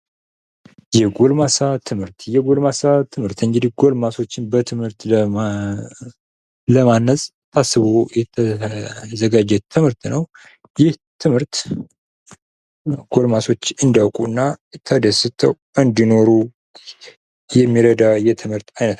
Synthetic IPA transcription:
jɛɡo̞lmasat̪ʰɨmhɨɾt̪jɛɡo̞lmasat̪ʰɨmɨɾt̪ɨŋɡɨd̪ihɡo̞lmaso̞t͡ʃːɪnbət̪ʰɨmhɨɾt̪ | ləmanːəsʼ | t̪ʰasːɨβojɛt̪ʰəzəɡad͡ʒɛt̪ʰɨmhɨɾt̪nəw | jɪht̪ʰɨmhɨɾt̪ | ɡ̥o̞lmaso̞t͡ʃːɨnd̪iawkʼuɨnːat̪ʰəd̪əsɨt̪ʰəw | ʔɨnd̪ino̞ɾu | jɛmːiɾəd̪ajɛt̪ʰɨmɨɾt̪ajnət̪

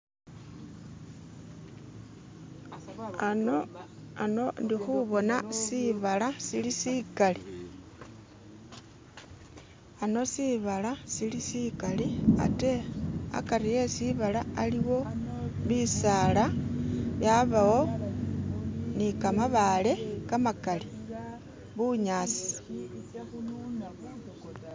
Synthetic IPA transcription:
anoano̞ndixuβo̞nasiβalasilisikali | ano̞siβalasilisikalia̰te̞a̰kaɾije̞siβalaaliwo̞βisaːlaβjaβawo̞ | nikamaβale̞kamakali | βuɲaːsi̥

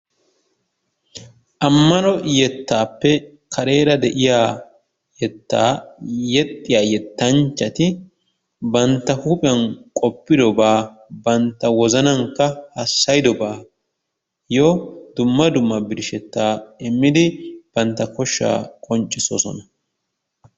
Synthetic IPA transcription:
ʔɐmːɐnɔjɛt̪ːaːpːɛ | kʰɐɾe̞ːɾɐd̪ɛʔɪjaː | jɛt̪ːa̰ːjɛt̪ʼːɪjaːjɛt̪ːɐnt͡ʃːɐt̪ɪ | bɐnt̪ːɐhupʼɪɐnkʼɔpːɪd̪ɔbaː | bɐnt̪ːɐwɔzɐnɐŋkɐhɐsːɐjd̪ɔbaː | jɔd̪̥ʊmːɐd̪ʊmːɐbɪɾɪʃɛt̪ːaːɪmːɪd̪ɪb̥ɐnt̪ːɐkɔʃːa̰ːkʼɔnt͡ʃʼːɪsɔsɔ̰nɐ

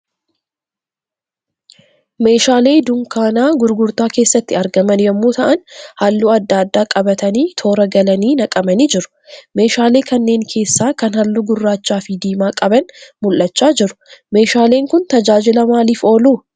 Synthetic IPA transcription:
me̞ːʃaːle̞ːd̪ʊŋkaːnaːɡʊɾɡʊɾt̪aːke̞ːsːɐt̪ːɪɐɾɡɐmɐnjɐmːoːt̪ɐʔɐnhɐlːuːɐd̪ːaːd̪ːaːkʼɐbɐt̪ɐniːt̪ʰo̞ːɾɐɡɐlɐniːnɐkʼɐmɐniːd͡ʒɪɾʊ̥ | me̞ːʃaːle̞ːkɐnːe̞ːŋkʰe̞ːsːaːkɐnhɐlːuɡʊrːaːt͡ʃːaːfɪd̪iːmaːkʼɐbɐnmʊlʔɐt͡ʃːaːd͡ʒɪɾʊ̥me̞ːʃaːle̞ːŋkʊnt̪ɐd͡ʒaːd͡ʒɪlɐmaːliːfo̞ːluː

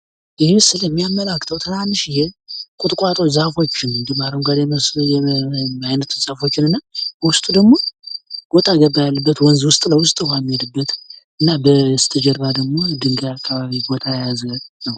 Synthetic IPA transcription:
ʔɨhemɨsɨljɛmːijamːəlakʰːt̪ʰəwt̪ʰɨmanːɨʃjɛkʼʊt̪ʼkʼat̪ʼo̞t͡ʃzahfo̞t͡ʃːɪnnd̪ɨmaɾəmɡad̪ɛmsjɛajnət̪ʰzahfo̞t͡ʃːɪnɨnːawʊst̪ʼud̪əɡmo̞b̥o̞t̪ʼʰaɡəbːajalːəbːət̪wɔnzwʊst̪ʼləwʊst̪ʼhomːijɛd̪ɨbːət̪ | ɨnːabəst̪ʰəd͡ʒəɾβad̪əɡmo̞d̪ɨŋɡajakʰːaβaβibo̞t̪ʼʰajajazənəw

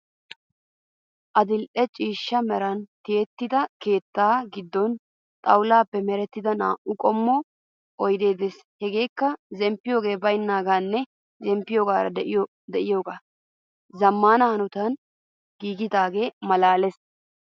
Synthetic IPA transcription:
ʔɐd̪ɪlʔɛt͡ʃʼiːʃːɐmɛɾɐnt̪eːt̪ːɪd̪ɐke̞ːt̪ːaːɡɪd̪ːɔn | t̪ʼɐwʊlaːpːɛmɛɾɛt̪ːɪd̪ɐna̰ːʔʊkʼɔmːɔ | ʔɔjd̪e̞ːd̪ɛs | hɛɡe̞ːkːɐzɛmpːɪjo̞ːɡe̞ːbɐjnːaːɡaːnːɛ | zɛmpːɪjoːɡaːɾɐ̰d̪ɛʔɪjo | d̪ɛʔɪjoːɡaː | zɐmːaːnɐhɐnʊt̪ɐn | ɡiːɡɪt̪aːɡe̞ːmɐlaːlɛs

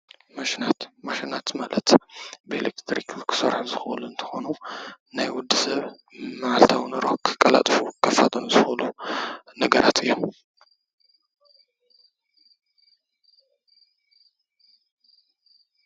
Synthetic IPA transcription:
maʃinat̪maʃinat̪malət̪belekt̪ʰɾikukʰɨ̥sɐ̰ɾħuzɨxluɨnt̪ʰɨ̥xo̞nu | najwʊd̪ːɨsɐβ | mɨʕalt̪ʰawnɨɾokʰɨ̥kʼːɐla̰t̪ʼfukʰɐfːat̪ʼɐnuzɨxolunɐɡɐɾʔat̪ʰɨjːom

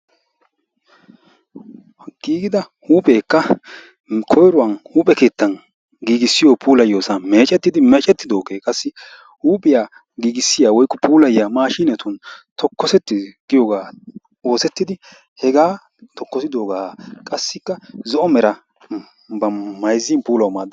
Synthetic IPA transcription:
ɡ̥iːɡɪd̪ɐ | huːpʼe̞ːkːɐ | kʰɔjɾʊwɐnhuːpʼɛke̞ːt̪ːɐn | ɡiːɡɪsːɪjɔpʰuːlɐjo̞ːsɐme̞ːt͡ʃʼɛt̪ːɪd̪ɪmɛt͡ʃʼɛt̪ːɪd̪o̞ːkeːkʼɐsːɪ | huːpʼɪja | ɡiːɡɪsːɪjaːwɔjkːɔpʰuːlɐjjamaːʃiːnɛt̪ʊnt̪ʰɔkːɔsɛt̪ːɪɡ̥ɪjoːɡaː | o̞ːsɛt̪ːɪd̪ɪ | hɛɡaː | t̪ɔkːɔsɪd̪o̞ːɡaːkʼɐsːɪkːɐzɔʔɔmɛɾɐ | bɐmɐjzːɪnpuːlɐwmaːd̪

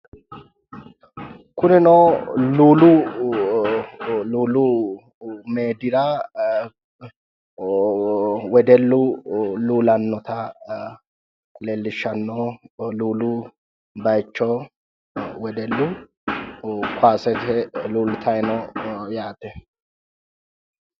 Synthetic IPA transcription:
kʊnɪnɔluːlʊ | luːlːʊ | meːd̪ɪɾa | wɛd̪ɛlːʊluːlɐnːɔt̪ɐ | kʼʊlelːɪʃːɐnːɔluːlʊ | bɐjt͡ʃːɔ | wɛd̪ɛlːʊ | kʊaːsɛtɛluːlt̪ʰɐjnɔjaːt̪ɛ

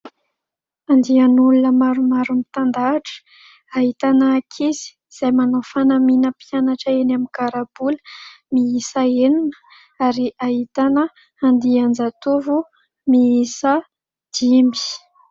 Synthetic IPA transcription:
and̪ianulunəmaɾumaɾumit̪and̪aʈ͡ʂə̥ | aɦit̪anaːkʰiz̥i̥ | z̥ajmanofanaminəpianaʈ͡ʂəenamikaɾab̥ulə | miisaeninə̥ | aɾiʔaɦit̪anə | and̪iand͡zat̪uvu | miisə | d̪̥imbi̥

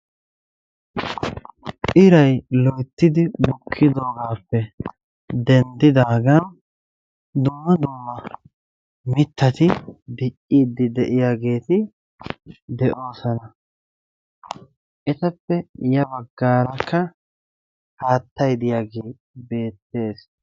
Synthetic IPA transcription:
ʔɪɾɐjlɔjt̪ːɪd̪ɪbʊkʰːɪd̪o̞ːɡaːpːɛ | d̪ɛnd̪ɪd̪aːɡɐn | d̪ʊmːɐd̪ʊmːɐ | mɪt̪ːɐt̪ɪd̪ɪʔʼːiːd̪ːɪd̪ɛʔɪjaːɡe̞ːt̪ɪ | d̪ɛʔo̞ːsɐnɐ | ʔɛt̪ɐpːɛjɐbɐɡːaːɾɐkːɐ | haːt̪ːɐjd̪ɪjaːɡeː | be̞ːt̪ːe̞ːs

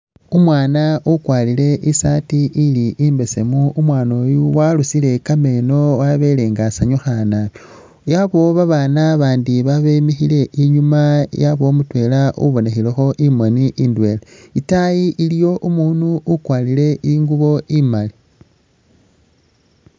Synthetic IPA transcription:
umwaːnaʔukwaːlile̞ʔisatiʔiliʔimbe̞se̞muumwaːnoːjuwalusile̞kame̞no̞waβeleːŋɡasaɲuxana | jaβo̞βaβaːnaβaːndiβaβemixile̞ʔiɲumajaβo̞mutwe̞laṵβo̞nexilexo̞ʔimoniʔindwe̞leitajiʔilijo̞ʔumunuukwaːlile̞ʔiŋɡuβo̞imali

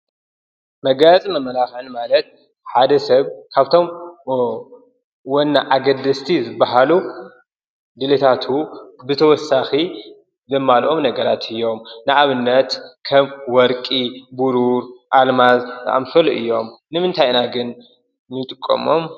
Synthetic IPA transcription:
mɐɡat͡sʼimɐmːɐlaxʕɨnmalɐt̪̚ | ħad̪ɐsɐβkʰaβt̪ʰo̞m | wonːaʔaɡɐd̪ɐst̪ʰizɨbːaɦalu | d̪ɨlet̪ʰat̪ʰubɨt̪ʰɐwɔsːaxi | zɐmːalʔo̞mnɐɡɐɾat̪ʰɨjːo̞mnɨʔaβɨnːɐt̪kʰɐmwɔɾkʼibuɾuɾʔalmazt̪a̰ʔa̰mfɐloʔɨjːo̞mnɨmɨnt̪ʰajnaɡɨnː | ɨt̪ʼɨkʼːɐ̰mo̞m

